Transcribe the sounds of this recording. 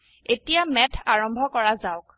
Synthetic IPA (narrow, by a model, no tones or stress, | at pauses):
etijamɛtʰaɹɔmbʱɔkɔɹazaʊk̚